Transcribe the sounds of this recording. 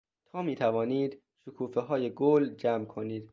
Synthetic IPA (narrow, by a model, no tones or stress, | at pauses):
t̪ʰɒːmiːt̪ʰævɒːniːd̪ | ʃokʰuːfeɦɒːjeɡoːld͡ʒæmkʰo̞niːd̪̥